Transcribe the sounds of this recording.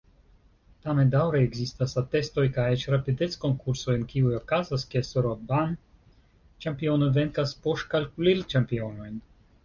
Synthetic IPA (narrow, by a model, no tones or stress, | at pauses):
tamendawɾeeɡzistasat̪e̞sto̞jkajet͡ʃɾapide̞t͡sko̞ŋkuɾsojenkiujo̞kazaskesoɾoban | t͡ʃampio̞noveŋkaspoʃt̚kalkulilt͡ʃampio̞no̞jn